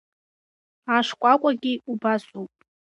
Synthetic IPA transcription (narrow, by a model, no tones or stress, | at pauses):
aʂkʷʼakʷʼaɡʲiubasʼowpʼ